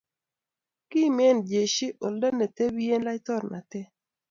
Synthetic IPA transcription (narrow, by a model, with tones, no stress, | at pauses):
kɪ˦mɛ˦˨nd͡ʒe˨ʃi˦ʔo˨ldo˦ne˨te˦bi˦e˦nla˦jtɔ˦˨rna̰˨tɛ˦